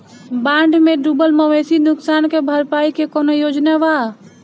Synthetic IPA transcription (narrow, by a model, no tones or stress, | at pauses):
bãɳɖmeɖubəlməwesinuksankebʱəɾpaikekonojod͡ʒnaba